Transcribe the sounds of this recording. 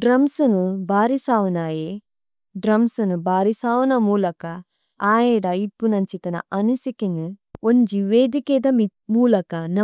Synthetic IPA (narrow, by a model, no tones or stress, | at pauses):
ɖɾɐmsɨnubaːɾisaːʋunaːje | ɖɾɐmsɨnubaːɾisaːʋɐnɐmuːlɐkɐ | aːjeɽɐibːunɐɲt͡ʃit̪ɐnɐ̰ɐnusikenɨoɲd͡ʒiʋeːd̪ikeːd̪ɐmi | muːlɐkɐnɐ